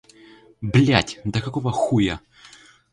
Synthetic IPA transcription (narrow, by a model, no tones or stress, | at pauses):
blʲatʲd̪ɐkɐkovɐxujɐ